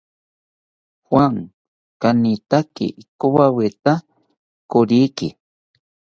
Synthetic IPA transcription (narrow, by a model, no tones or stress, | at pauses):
hwaŋ | kanit̪akḭkuwawet̪a | kʊɾiki